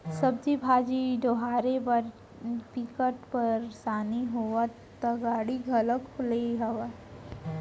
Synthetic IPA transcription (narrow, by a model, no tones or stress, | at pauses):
sɐbd͡ʒibʱaːd͡ʒiɖ̪oɦaːɾepɐɾ | pikəʈpəɾsaːniɦoa | t̪ɐɡaːɽiɡʱɐləkʊleɦɐʋa